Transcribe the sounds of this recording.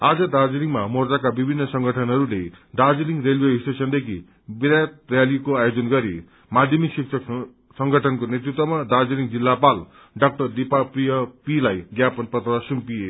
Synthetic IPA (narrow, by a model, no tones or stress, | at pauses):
ad͡zʌd̪ard͡zliŋmamord͡zakabibʱinːʌsʌŋɡʌʈʰʌnɦʌɾuled̪ad͡ziliŋrelbeisʈesʌnd̪ekʰḭ | biɾat̪̚rjalikoajod͡zʌnɡʌɾḭ | mad̪ʱjʌmiksiksʰʌk | sʌŋɡʌʈʰʌnkonet̪ɾrit̪wʌmad̪ad͡ziliŋd͡zilːapal | ɖʌk̚ʈʌrd̪ipaprijʌpilajɡjapʌnpʌt̪rʌsumpije